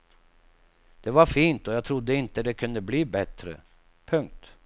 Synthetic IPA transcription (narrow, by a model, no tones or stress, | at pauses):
d̪̥ɛvaɾfiːnt̪ɔjɑːt̪ʰɾʊd̪ːəɪnt̪əd̪ɛkʰɵnd̪əbliːbɛt̪ɾə̰ | pʰɵŋk̚t̪